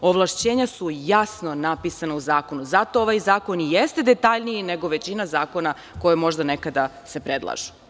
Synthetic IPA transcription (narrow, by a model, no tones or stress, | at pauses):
oʋlˠaʃt͡ɕeːɲasujasno̞napisanauzaːko̞nuzat̪o̞oʋajzaːkonijest̪e̞d̪e̞t̪aʎniine̞ɡo̞ʋe̞t͡ɕinazaːko̞na | ko̞jemo̞ʒd̪anekad̪a | se̞pɾed̪lˠa̰ʒu̥